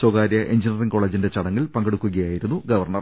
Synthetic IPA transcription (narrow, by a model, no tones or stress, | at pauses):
soɡaːɾjɐʔeɲd͡ʑinɐriŋko̞ːɭeːd͡ʑinde̞t͡ɕɐɽɐŋːilpɐŋɡeɽukːuɣɐjaːjiɾunːuɡɐʋɐrɳɐr